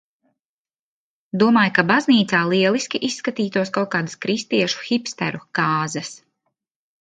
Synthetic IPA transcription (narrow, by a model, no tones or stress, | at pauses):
d̪uɔmaːjkabazniːt̪saːlˠiɛlˠiskʲiʔisːkat̪iːt̪uɔskawkaːd̪askɾist̪iɛʃu̥xipst̪ɛ̰ɾukaːzɐs